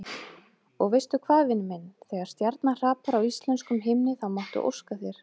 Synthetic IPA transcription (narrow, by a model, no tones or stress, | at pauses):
ɔɣvejst̪ʏkʰvaːðvɪnmɛnːθɛːɣaɾ̥st̪jaɾt̪nar̥aːpaɾawist̪lɛnskʏmɦɪmnɪθawmawht̪ʏ̰ʔo̰wskaθjɛɾ̥